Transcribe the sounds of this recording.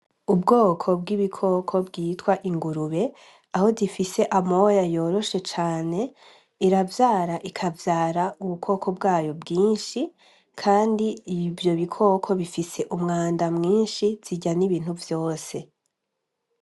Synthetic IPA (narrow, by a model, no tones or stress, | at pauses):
ubɡo̞ːkʰo̞bɡiβikʰo̞kʰo̞bɡiːtwaʔiŋɡuɾuβe̞ | aho̞difise̞ʔamojajo̞ːɾo̞ʃe̞t͡ʃaːne̞ | iɾavjaːɾaʔikʰavjaːɾauβukʰo̞ːkʰo̞bɡaːjo̞bɡiːnʃi | kʰaːndiivjo̞βikʰo̞kʰo̞βifise̞ʔumŋaːndamŋiːnʃiz̥iɟaniβiːn̥huvjo̞ːse̞